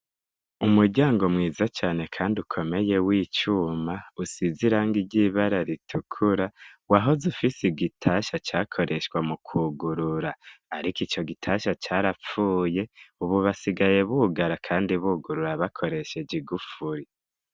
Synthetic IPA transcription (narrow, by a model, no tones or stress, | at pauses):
umuɾɟaːŋɡomŋiːzat͡ʃaːne̞kʰaːndiukʰo̞me̞je̞wiːt͡ʃumausiziɾaŋɡiɟiβaɾaɾitʰukʰuɾawaɦo̞zufisiɡitʰaʃat͡ʃaːkʰo̞ɾʔe̞ʃwamukʰuɡuɾuɾaːɾikit͡ʃo̞ɡitʰaʃat͡ʃaɾap͡fuːje̞uβuβasiɡaje̞βuːɡaɾakʰaːndiβuːɡuɾuɾaβakʰo̞ɾe̞ʃe̞d͡ʒiɡufuɾi